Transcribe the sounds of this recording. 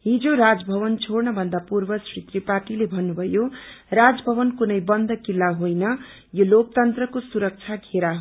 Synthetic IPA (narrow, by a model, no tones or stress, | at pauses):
ɦid͡zoɾad͡zbʱʌbʌnt͡sʰornʌbʱʌnd̪apurbʌsrit̪riparʈilebʱʌnːubʱʌjorad͡zbʱʌβʌnkunʌjbʌnd̪ʱʌkilːaɦojnʌ | jolokt̪ʌnt̪rʌkosuɾʌk̚t͡sʰaɡʱeɾaɦ